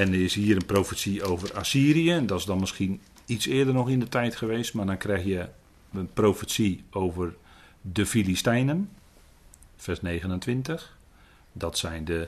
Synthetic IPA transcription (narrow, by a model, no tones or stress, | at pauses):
ɛnəɪshiːəɾənprofəsiowvərasiːrijəndɔtɪsdɔnmɪskin | itsɪːədərnɔxindətʰɛjtxəʋeːstmadɔnkrɛjxjə | ənproːfəsioːvər | dəfilistɛjnən | fɛrsneːɣənəntʋɪntəx | dɔtsɛjndə